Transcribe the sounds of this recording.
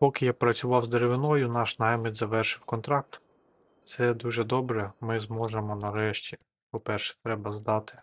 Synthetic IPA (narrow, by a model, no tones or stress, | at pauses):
pɔkɪjapɾɐt͡sʲʊʋɑwzd̪eɾeʋɪnɔjʊnɑʃnɑjmʲɪd̪ʲzɐʋɛrʃɪwkɔnt̪ɾɑk̚t̪ | t̪sɛd̪uʒɛd̪ɔbɾɛmɪzmɔʒemɔnɐɾɛʃt͡ʃʲi | pɔpɛrʃɛ̥t̪ɾɛbɐzd̪ɑt̪ɪ̥